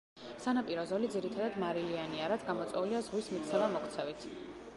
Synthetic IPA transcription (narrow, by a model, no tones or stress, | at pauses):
sanapʼiɾɔzɔlid̪ziɾit̪ʰad̪ad̪maɾilianiaɾat̪ʰɡamɔt̪sʼwɛuliazʁwismit̪t̪sʰɛlamɔkt̪sʰɛvit̪ʰ